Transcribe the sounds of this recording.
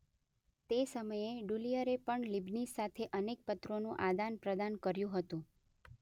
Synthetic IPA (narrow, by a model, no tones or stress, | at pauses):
t̪esəməjeɖulijəɾepəɳlibnisːat̪ʰeʔənek̚pət̪ɾonũʔad̪anpɾəd̪ankəɾjũɦət̪ũ